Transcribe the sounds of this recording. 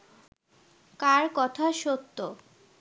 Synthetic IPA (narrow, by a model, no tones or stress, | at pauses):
kaɾkɔt̪ʰaʃot̪ːo